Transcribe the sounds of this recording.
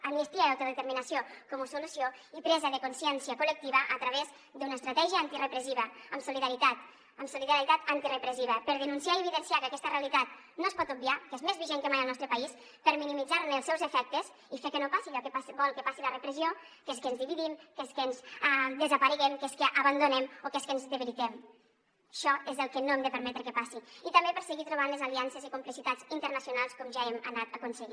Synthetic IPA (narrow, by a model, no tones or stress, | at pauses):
amnisp̪iaawt̪əðet̪əɾminɐsiokɔmusulusjoipɾɛzəðəkunsiɛnsiəkulək̚t̪iβəʔːt̪ɾaβez | d̪unaest̪ɾat̪ɛʒiəant̪irəpɾeziβəəmsuliðaɾit̪at̪ | əmsuliðaɾit̪at̪ant̪irəpɾeziβ̞əpəɾðənunsiaieβiðənsiakəakɛst̪ərealit̪at̪ | noespɔt̪ub̚biakezmezβiʒeŋkəmajəlnɔst̪ɾəpɐis | pəɾminimid͡zaɾmeːlˠsɛwzəfɛk̚t̪əz | ifekənopasiʎɔkəpasbɔlˠkəpasilərəpɾəzio | keskəːnzðiβiðimkeskənzad̪əzəpaɾiɣɛmkeskəʔaβand̪unɛmokeskənzðəβeɾit̪ɛm | ʃɔezðəlˠkənoemd̪əpəɾmɛt̪ɾəkəpasiit̪əmbepəɾsəɣit̪ɾuβ̞anləzaliansezikumplisit̪ad͡zint̪əɾnəsjunalˠskɔmʒaɛmənat̪əkunsəɣi